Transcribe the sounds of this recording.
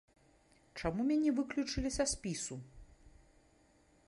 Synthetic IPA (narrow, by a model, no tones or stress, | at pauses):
t͡ʂamumʲanʲɛvɨklʲut͡ʂɨlʲisʲɐsʲpʲisu